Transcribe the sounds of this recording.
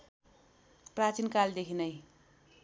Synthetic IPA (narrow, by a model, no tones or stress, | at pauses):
prat͡sinkald̪ekʰinʌj